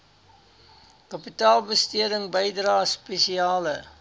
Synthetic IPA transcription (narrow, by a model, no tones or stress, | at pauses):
kɐpitɑːlˠbəstiəɾəŋbəjdrɑːspesiɑːlə